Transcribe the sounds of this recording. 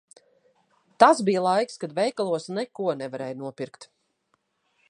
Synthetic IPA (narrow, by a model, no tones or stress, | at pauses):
t̪asbijlˠajkskad̪vɛjkalˠuɔsnɛkuɔnɛvaɾɛjnuɔpʲiɾkt̪